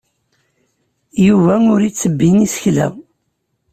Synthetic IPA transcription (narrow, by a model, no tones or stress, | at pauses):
juvæʊɾit͡sːəbːinisə̥çlæ̰